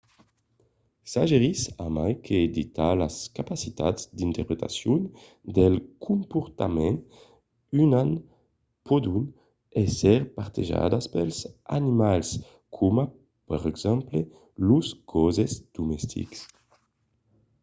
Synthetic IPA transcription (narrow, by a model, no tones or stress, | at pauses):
saʒeʁisamajkʰeːd̪it̪alaskapasit̪a̰d̪zd̪int̪ɛɾpɾet̪a̰sjun | d̪elkʰumpuɾt̪amɛn | ynan | pɔd̪un | ɛsɛɾpaɾt̪eʒa̰d̪aspelza̰nimals | kʰuma | pɛʁɛɡz̥ɛmple | luskɔzezd̪̥umɛst̪ʰḭks